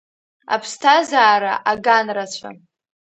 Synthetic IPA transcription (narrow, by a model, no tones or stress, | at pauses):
a̰pʰstʰazaːɾa̰ʔaɡanrat͡ɕʷʰa̰